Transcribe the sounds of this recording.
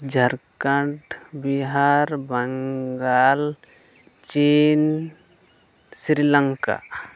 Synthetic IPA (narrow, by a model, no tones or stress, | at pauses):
d͡ʒʱaɾkaɳʈbiɦaɾbaŋɡal | t͡ʃen | sɾilaŋka̰